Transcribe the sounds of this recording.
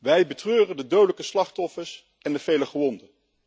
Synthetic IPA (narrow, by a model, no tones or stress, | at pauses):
ʋɛjbətrøːrəndədowdələkəslɑχtɔfəɹs | ɛndəv̥ejləχəʋɔndə